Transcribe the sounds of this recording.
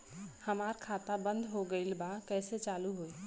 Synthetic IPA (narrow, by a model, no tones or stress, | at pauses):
həmaɾkʰat̪abənd̪ʱɦoɡəɪlbakɛset͡ʃaluɦoj